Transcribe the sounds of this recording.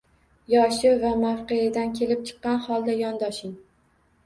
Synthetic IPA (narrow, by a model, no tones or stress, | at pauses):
jɒʃɪvamafqejad̪ankʲʰe̞lɪp̚t͡ʃʰɨ̥qːɑnχɒlˠd̪ajɒnd̪ɒʃɪŋ